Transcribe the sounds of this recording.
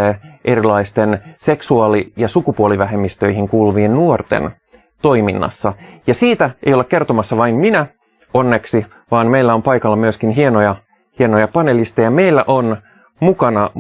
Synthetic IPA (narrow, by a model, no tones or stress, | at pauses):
ʔeɾilɑist̪ense̞ksuɑːlijɑsukupuoliʋæɦemːist̪øihiŋkuːlʋiennuort̪ḛn | t̪o̞iminːɑ̰sːɑjɑsiːt̪æḛjolekke̞rt̪omɑsːɑʋɑimminæ | onːeksi | ʋɑːnmeilːæo̞mpɑjkɑlːɑmyøskinɦienojɑ | hienojɑpɑne̞list̪ejɑme̞ilːæʔon | mukɑnɑ